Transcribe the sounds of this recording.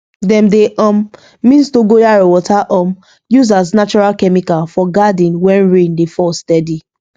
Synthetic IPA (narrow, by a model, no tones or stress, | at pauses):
dɛ̃mdeʔɔ̃mː | ĩnstoɡojaɹowɔtaʔɔ̃m | juzaz̬nat͡ʃɔɹalkɛmikafɔɡadĩnwɛ̃nɹẽndefɔstɛdi